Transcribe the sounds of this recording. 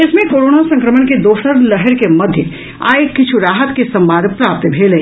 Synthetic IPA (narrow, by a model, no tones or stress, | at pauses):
ɪsmẽkoːɾoːnasɐ̃ŋkɾəmənked̪oːsəɾlɛɦɛɾkemɐd̪ʱjə | a̰ːekːɪt͡ʃʰuɾaːɦət̪kesɐ̃mbãːnd̪ʱpɾaːp̚t̪bʱeːleː